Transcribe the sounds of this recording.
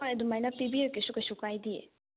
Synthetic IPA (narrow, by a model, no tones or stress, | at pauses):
ajɐdumajnapibiekesukɐsukajdi